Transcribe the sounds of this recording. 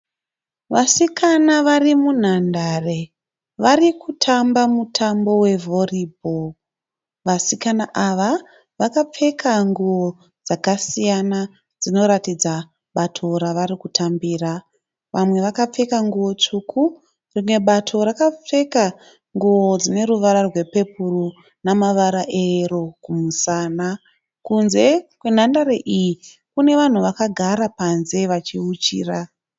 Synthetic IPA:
ʋasikʰanaʋarimun̤andare̞ | ʋarikʰutʰambamutʰambo̞we̞vʱo̞riːbʱo | ʋasikanaʔaʋa | ʋakap͡fe̞kaŋɡuʋo | d͡zakasijana | d͡zino̞ɾatid͡za | ɓatʰo̞ɾaʋaɾikutʰambiːra | ʋamwe̞ʋakap͡fe̞kaŋɡuo̞t͡ʂukʰu | rimwe̞ɓatʰo̞ɾakap͡fe̞ka | ŋɡuo̞d͡zine̞ruʋaɾarwe̞pe̞puru | namaʋaɾaʔero̞kumusaːna | kunze̞kwe̞n̤andaɾeʔiji | kune̞ʋan̤uʋakaɡʱaɾapanze̞ʋat͡ʃiut͡ʃḭːra

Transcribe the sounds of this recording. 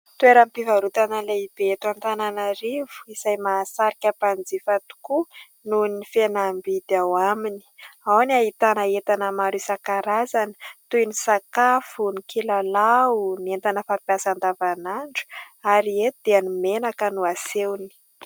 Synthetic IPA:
t̪ueɾampivaɾut̪anəleibeet̪want̪ananaɾivu̥izajmasaɾikʲapand͡zifat̪u̥ku | nunifenambid̪awamini̥awnaɦit̪anəet̪anəmaɾusakaɾazanət̪ujnisakafunikilalaunent̪anəfapiasand̪avanaɳɖ͡ʐu̥aɾiet̪d̪̥eanumenakənuasewni̥

